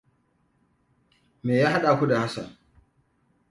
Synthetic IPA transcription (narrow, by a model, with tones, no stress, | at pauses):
meː˨jaː˦ɦa˦ɗa˨kʷu˦da˨ha˦sa̰˨